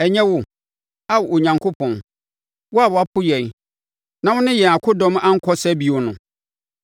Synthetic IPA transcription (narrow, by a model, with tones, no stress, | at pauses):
ɛ˨ɲɛ̃˦wʊ˨ | a˦wo˨ɲã˨ŋkʰʊ˦pʰɔ̃˨n | wɔ˦a˨wɔ˨a˦pʰʊ˦jɛ̃˨n | nã˨˦wʊ̃˦nɪ̃˦jɛ˨a˨kʰʊ˦dɔ̃˦ma˦ŋ̩˦kʰɔ˦sɛ˦bi˨ɔ˨nʊ̃˨